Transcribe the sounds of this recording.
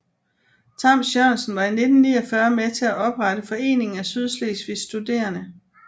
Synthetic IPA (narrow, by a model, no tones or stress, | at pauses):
t͡sʰɑ̈msɒnsn̩ʋɑ̈ine̝d̥n̩nːḭːɒfɶɐmet͡sʰe̝æʔɒ̽b̥ʁad̥əfɒ̽e̝̰ːne̝ŋn̩æsyð̞ˠslesʋisːd̥ud̥e̝̰ːɐnə